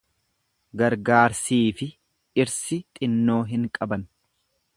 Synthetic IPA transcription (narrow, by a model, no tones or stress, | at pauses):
ɡɐɾɡaːɾsiːfɪ | ɪɾsɪt̪ʼɪnːo̞ːɦɪŋkʼɐbɐn